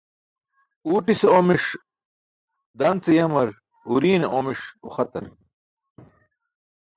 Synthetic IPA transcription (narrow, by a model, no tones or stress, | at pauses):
uːʈiseomiʂ | d̪ɐnt͡sejɐmɐɾ | uɾiːneʔomiʂo̰xɐt̪ɐ̰ɾ